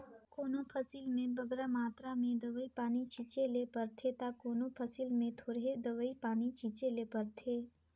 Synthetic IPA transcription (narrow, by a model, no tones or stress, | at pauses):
koːnopʰəsilmẽbɐɡɾamaːt̪ɾamẽd̪ɐʋəipaːnit͡ʃit͡ʃelepəɾt̪ʰet̪akoːnopʰəsilmẽt̪ʰoːɾɦed̪ɐʋəipaːnit͡ʃit͡ʃelepəɾt̪ʰeː